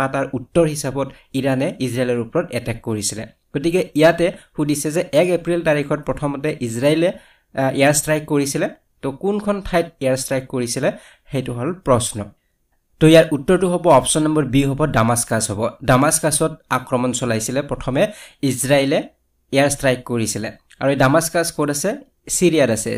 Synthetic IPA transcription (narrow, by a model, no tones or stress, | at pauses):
ataɹʔutːɔɹhisabɔt | iɹanɛizɹajlɔɹupɔɹɔtɛtɛkːoɹisilɛ̰ | ɡ̥otikɛijatɛhudisɛzɛʔɛkepɹiltaɹikʰɔt̚pɹɔtʰɔmɔtɛʔizɹailɛ | ɛaɹstɹajkkːoɹisilɛ | tɔkunkʰɔntʰajtɛjaɹstɹajkkoɹisilɛ | xejtʊɦɔlpɹɔsnɔ̰ | toijaɹutːɔɹtʊɦɔbɔɔpsɔnːɔmbɔɹbiɦɔbɔdamaskashɔbɔdamaskasɔt̚akɹɔmɔnsɔlajsilɛpɹɔtʰɔmɛizɹaelɛ | ɛaɹstɹajkːoɹisilɛ | a̰ɹuedamaskaskɔtasɛ | siɹijadasɛ̰